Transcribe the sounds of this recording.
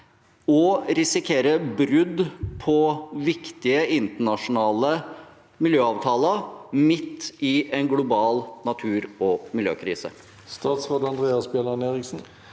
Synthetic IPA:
ɔɾɪsɪkʰeːɾəbɾʉd̪pʰɔʋɪkt̪ɪəɪnt̪əɳɑʂʊnɑːlə | mɪljøːɑːʋt̪ʰɑːləmɪt̪ːɪɛnɡlʊbɑːlnɑt̪ʰʉːɾɔmɪljø̰ːkʰɾḭːsə̰ | st̪ɑːt̪sʁɑːd̪ɑnd̪ʁeːɑsbɛlɑneːʁɪksn̩

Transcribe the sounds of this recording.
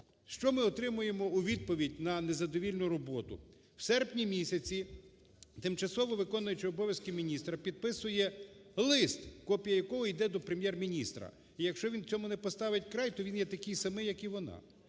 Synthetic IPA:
ʃt͡ʃɔmɪɔt̪ɾɪmʊjemɔuʋʲid̪̚pɔʋʲidʲnɐnezɐd̪ɔʋʲilʲnʊɾɔbɔt̪ʊ̰ | wsɛrpnʲimʲisʲɐt͡sʲi | t̪ɪmt͡ʃɐsɔʋɔʋɪkɔnʊjʊt͡ʃɪɔbɔʋʲjɐskɪmʲinʲist̪ɾɐpʲid̪̚pɪsʊjɛlˠɪst̪kɔpʲijɐjɐkɔɦɔid̪ɛd̪ɔpɾemʲjɛrmʲinʲist̪ɾɐ̰ | ijɐkʃt͡ʃɔʋʲint͡sʲɔmʊnɛpɔst̪ɑʋɪt̚ʲkɾɑjt̪ɔʋʲinjɛt̪ɐkɪjsɐmɪjɐkiʋɔnɑ̰

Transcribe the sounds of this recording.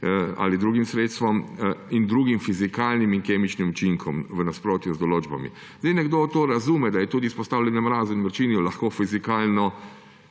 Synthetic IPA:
a̰lid̪ɾuːɡimsɾeːt̪st̪ʋɔmind̪ɾuːɡimfizikaːlnimiŋkeːmit͡ʃnimut͡ʃiŋkʰɔmʋənaspɾoːt̪juzd̪ɔloːd͡ʒba̰mḭ | zd̪ejnɛɡd̪oːt̪oːɾazuːmɛd̪ajɛt̪uːd̪ispɔst̪aːwlʲɛnɛmɾaːzuinʋəɾt͡ʃiːnjulaxkoːfizikaːlnɔ

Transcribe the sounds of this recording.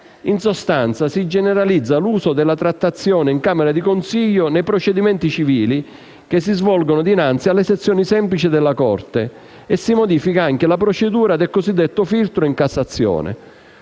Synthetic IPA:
insost̪ant̪sasid͡ʒɛneɾalid̪zːaluːsʊd̪ɪlːat̪ɾat̪ːat̪sːjɔːnɪiŋkaːmɛɾad̪ikonsiʎːʊnɛjpɾot͡ʃed̪imɛnt̪it͡ʃiviːli | k̟es̬ːizvɔlɡʊnʊd̪inant̪sialːeset̪sːjɔːnisɛmplit͡ʃid̪elːakɔ̰rt̪e | ɛsimod̪iːfikaaŋk̟ɪlapɾot͡ʃed̪uːɾad̪elkozid̪ːɛt̪ːʊfilt̪ɾʊiŋkasːat̪sːjɔ̰ːnɪ̰

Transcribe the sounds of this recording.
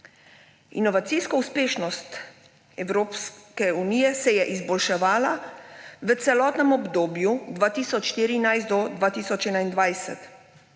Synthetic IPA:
ḭnɔʋat̪siskɔuspeːʃnɔst̪ | ɛwɾoːpskɛuniːjɛsɛjɛʔizbɔlʃɛʋaːlaʋət̪sɛlɔːt̪nɛmɔbd̪oːbjud̪ʋaːt̪iːsɔt͡ʃʃt̪iɾinajst̪d̪ɔd̪ʋaːt̪iːsɔt͡ʃɛːnaind̪ʋajsɛ̰t̪

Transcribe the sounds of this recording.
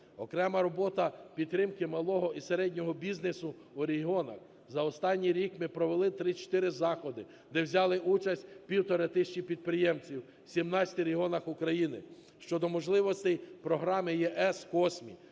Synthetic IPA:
ɔkɾɛmɐɾɔbɔt̪ɐpʲidt̪ːɾɪmkɪmɐlˠɔɦɔʔiseɾɛdʲnʲɔɦɔbʲiznesʊː | ɾʲeɦiɔnɐx | zɐɔst̪ɑnʲːijɾʲikmɪpɾɔʋelˠɪt̪ɾɪt͡ʃɔ̥t̪ɪɾɪzɑxɔd̪ɪ | d̪ɛwzʲɑlˠɪʔut͡ʃɐsʲtʲpʲiwt̪ɔɾet̪ɪʃt͡ʃipʲid̪̚pɾɪjɛmt͡sʲiw | sʲimnɑt͡sʲɐ̥t̪ɪɾeɦiɔnɐxʊkɾɐjinɪ | ʃt͡ʃɔd̪ɔmɔʒlˠɪʋɔst̪ɛjpɾɔɦɾɑmɪjɛʔɛskɔsʲmʲḭ

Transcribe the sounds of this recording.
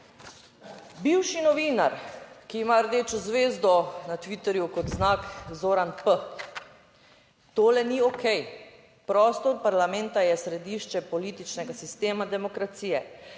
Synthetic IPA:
biwʃinɔʋiːnaɾkiːmaəɾd̪eːt͡ʃɔzʋeːzd̪ɔnat̪ʋit̪ɛɾjukɔt̪znaːkzoːɾanpə | t̪oːlɛniɔkʰɛj | pɾɔst̪ɔːt̪̚paɾlamɛnt̪ajɛsɾɛd̪iʃt͡ʃɛpɔliːt̪it͡ʃnɛɡasist̪eːmad̪ɛmɔkɾat̪siːjɛ

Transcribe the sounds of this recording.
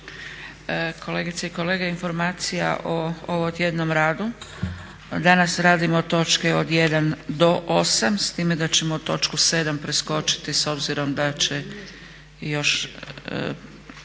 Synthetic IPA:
kʰo̞le̞ɡit̪seiko̞le̞ːɡeinfo̞ɾmaːt̪sija̰ʔooʋt̪je̞d̪no̞mɾaːd̪u | d̪anasɾaːd̪imot̪o̞t͡ʃkeod̪je̞d̪and̪o̞ʔosamst̪iːmed̪at͡ɕe̞mout̪o̞t͡ʃkuse̞ːd̪ampɾesko̞t͡ʃi̥t̪iso̞bziɾo̞md̪at͡ɕe | jo̞ʃ

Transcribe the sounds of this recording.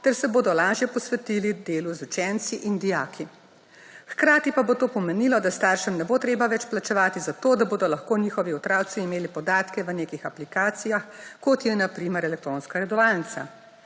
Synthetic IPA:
t̪ɛɾsɛboːd̪ɔlaːʒjɛpɔsʋɛt̪ilid̪eːluzut͡ʃɛnt̪siʔind̪ijaːkʰi | xkɾaːt̪ipabot̪oːpɔmɛnilɔd̪ast̪aːɾʃɛmnɛboːt̪ɾeːbaʋɛt͡ʃplat͡ʃɛʋaːt̪izat̪oːd̪aboːd̪ɔlaxkoːniːxɔʋiut̪ɾaːw̪siːmeːlipɔd̪aːt̪kɛʋəneːkixaplikaːt̪sijaxkɔt̪jɛnapɾiːmɛɾɛlɛk̚t̪ɾoːnskaɾɛd̪ɔʋalnit̪sa̰

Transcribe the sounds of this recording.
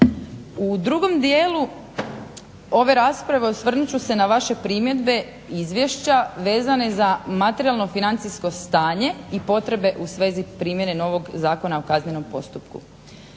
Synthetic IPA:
ud̪ɾuɡo̞md̪jeːlu | o̞ʋe̞ɾaspɾaʋe̞usʋr̩nut͡ɕuse̞naʋaʃe̞pɾimje̞d̪be̞ | izʋje̞ʃt͡ɕaʋe̞ːzane̞zamat̪eɾialˠno̞finant̪sisko̞st̪aːɲe̞ipo̞t̪ɾe̞be̞ʔusʋe̞ːzipɾiːmje̞ne̞no̞ʋo̞ɡzaːko̞naokazneno̞mpo̞st̪upkṵ

